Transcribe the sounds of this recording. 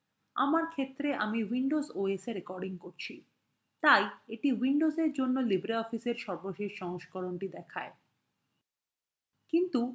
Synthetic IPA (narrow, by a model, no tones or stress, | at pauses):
a̰maɾkʰet̪ːɾeʔamiwiɳɖozoeseɾekɔɾɖiŋkoɾt͡ɕʰi | t̪ajeʈiwiɳɖozeɾd͡ʑonːolibɾeɔfiseɾʃɔɾboʃeʃʃɔŋʃkoɾonʈid̪ɛkʰae | kint̪u